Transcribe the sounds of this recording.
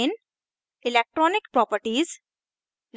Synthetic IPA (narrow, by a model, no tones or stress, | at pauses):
ɪn | ɪlek̚ʈɾɔːnɪkpɾɔːpəɾʈiːz | ɾ